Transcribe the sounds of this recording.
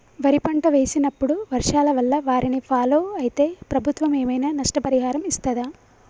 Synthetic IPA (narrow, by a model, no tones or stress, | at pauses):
ʋɐɾipɐɳʈɐʋe̞ːsinɐpːuɽuʋɐɾʂaːlɐʋɐlːɐʋaːɾinipʰaːloːɐjit̪e̞ːpɾɐbʱut̪ʋɐme̞ːmɐjnaːnɐʂʈɐpɐɾiɦaːɾɐmist̪ɐd̪aː